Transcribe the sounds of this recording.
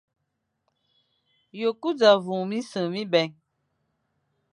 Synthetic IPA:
jo˨ku˦d͡za˨vũ˨mĩ˦sɨ˨mĩ˦bɛ˨˦

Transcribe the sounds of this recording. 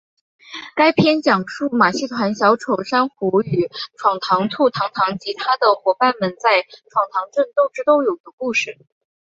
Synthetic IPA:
ka˥ɪpʰjɛ˥nt͡ɕjɑ˨˩ŋʂu˥˩ma˨˩ɕi˥˩t̪ʰwa˧˥nɕjɑ˧˥ʊʈ͡ʂʰo˨˩ʊʂa˥nxu˧˥y˨˩ʈ͡ʂʰwɑ˨˩ŋt̪ʰɑ˧˥ŋt͡s̪ʰu˥˩t̪ʰɑ˧˥ŋt̪ʰɑ˧˥ŋt͡ɕi˧˥t̪ʰa˥d̪ə˨xwɔ˧˥pa˥˩nmə˨nt͡sa˥˩ɪʈ͡ʂʰwɑ˨˩ŋt̪ʰɑ˧˥ŋʈ͡ʂə˥˧nt̪o˥˩ʊʈ͡ʂɻ̩˥t̪o˥˩ʊjo˨˩ʊd̪ə˦ku˥˧ʂɻ̩˥˩

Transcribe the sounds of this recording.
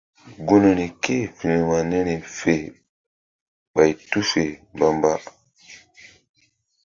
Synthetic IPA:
ɡu˦no˨ni˨ke˦fi˨ni˨ma˨ne˦ne˨fe˨ | ɓa˨jtu˦fe˨ba˨mba˦

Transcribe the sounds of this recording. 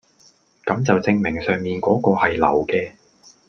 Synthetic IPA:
kɐ˨˧˥mt͡sɐ˨wt͡sɪ˧ŋmɪ˨˩ŋsœː˨˩ŋmiː˨nkɔː˨˥kɔː˧hɐ˨jlɐ̰˨˩wkɛː˧

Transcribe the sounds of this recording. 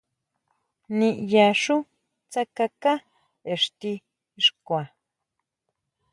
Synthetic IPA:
nĩ˧ʔja˧ʂu˦ | t͡sa˦ka˧ka˦ | e˨ʂt̪i˧ | ʂkʷa˨

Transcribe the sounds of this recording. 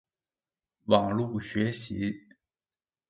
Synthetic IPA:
wɑ˨˩ŋlu˥˩ɕɥɛ˧˥ɕi˧˥

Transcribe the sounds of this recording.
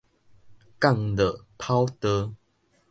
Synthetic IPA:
ka˥˧˨ŋlə˨pʰa˦wt̪ə˧

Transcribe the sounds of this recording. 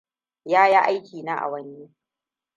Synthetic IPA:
jaː˦jaː˦ʔa˦jkʲiː˨naː˦ʔa̰˨wɐ˦nːi˦

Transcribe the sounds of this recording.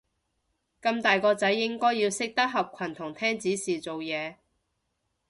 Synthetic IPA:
kɐ˧mt̪aː˨jkɔː˧t͡sɐ˨˥jːɪ˥ŋkɔː˥jːi˧wsɪ˥k̚t̪ɐ˥k̚ɦɐ˨p̚kʷʰɐ˨˩nt̪ʰʊ˨˩ŋt̪ʰɛː˥ŋt͡siː˨˥siː˨t͡so˨wjɛː˨˧

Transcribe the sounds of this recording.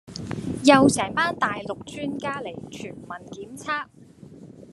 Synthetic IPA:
jɐ˨˧wsɛː˨˩˥ŋpaː˥nt̪aː˨jlʊ˨k̚t͡ʃyː˥nkaː˥le˨˩jt͡ʃʰyː˨˩nmɐ˨˩nkiː˨˥mt͡sʰaː˥k̚

